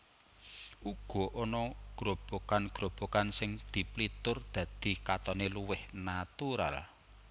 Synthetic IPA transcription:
ʔuɡ̥ɔ̤ʔonɔɡ̥ɾob̥okanɡ̥ɾo̤b̥o̤kansɪŋd̪̥i̤plit̪ʊrd̪̥ä̤d̪̥i̤kat̪ɔneluwɪhnat̪uɾa̰l

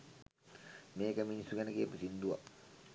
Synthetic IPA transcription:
meːkəminisuɡɛnəkiəpusind̪ua

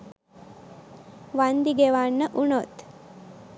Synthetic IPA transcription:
ʋand̪iɡeʋanːəʔunot̪

